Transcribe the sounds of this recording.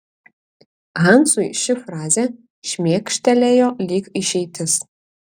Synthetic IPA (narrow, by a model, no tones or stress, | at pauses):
ʁansʼujʃɨfraːzʲɛ | ʃmʲekʂtʰɐlʲɛjolʲiːkʼiʃejtʰɨs